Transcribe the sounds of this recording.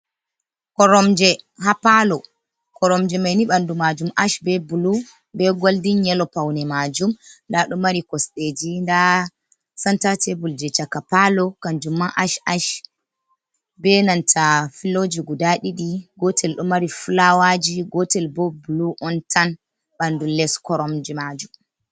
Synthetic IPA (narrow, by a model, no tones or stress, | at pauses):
kɔɾɔmd͡ʒɛɦapalɔ | kɔɾɔmd͡ʒɛmajniɓandumad͡ʒumʔaʃbɛbulu | bɛɡoldiɲɛlɔpawnɛmad͡ʒumndaɗumaɾikɔsɗed͡ʒinda | santatɛbuld͡ʒɛt͡ʃakapalɔkand͡ʒumːaʔaʃaʃ | bɛnantʰafilod͡ʒiɡudaɗiɗiɡɔtʰɛlɗumaɾifulawad͡ʒiɡɔtɛlbɔbuluʔɔntʰan | ɓandulɛskɔɾɔmd͡ʒimad͡ʒum